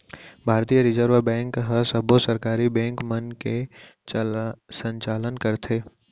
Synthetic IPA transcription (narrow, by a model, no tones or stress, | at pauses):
bʱaːɾt̪iːjəɾɪzəɾʋabɛ̃ːŋkɦəsɐbosəɾkaːɾibɛ̃ːŋkmənket͡ʃsə̃ɲt͡ʃaːlənkɐɾt̪ʰeː